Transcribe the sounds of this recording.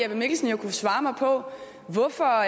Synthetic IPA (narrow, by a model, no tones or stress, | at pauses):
ɑʋeme̝ɡ̥l̩sn̩jakʰusʋɑ̈ːmɑ̈ɪpʰɒ̽ | ʋɔfɒ̽